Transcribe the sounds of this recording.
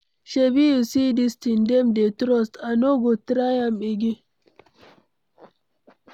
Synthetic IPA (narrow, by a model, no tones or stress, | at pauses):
ʃebijusidistindɛmdetɾɔstanoɡotɾajamɓeɡi